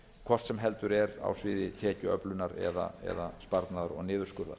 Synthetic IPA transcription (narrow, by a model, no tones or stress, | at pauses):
kʰvɔr̥t̪sɛmɦɛl̪t̪ʏɾɛɾa̰wsvɪːðɪt̪ʰɛːcʏœplʏnaɾɛ̰ða̰ɛ̰ðaspaɾt̪naðaɾɔ̰ɣnɪːðʏɾskʏɾða̰ɾ̥